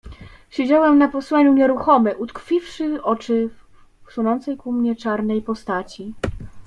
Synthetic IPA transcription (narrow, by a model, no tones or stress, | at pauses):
ɕed͡ʑawɛmnapɔswaɲuɲɛɾuxɔmɘʔut̪kfʲifʂɘɔt͡ʂɘ | sunɔnt̪sɛjkumɲɛt͡ʂaɾnɛjpɔst̪at͡ɕi